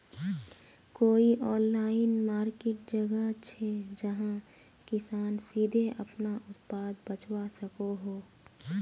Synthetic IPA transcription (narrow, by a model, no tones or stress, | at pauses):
koːiʔɔːnlaːɪnmaːɾkeːʈ̚d͡ʒɐɡət͡ʃʰed͡ʒɐɦã | kɪsaːnsiːd̪ʱeɐpnaʔʊt̪paːd̪bət͡ʃwasɐkoɦoː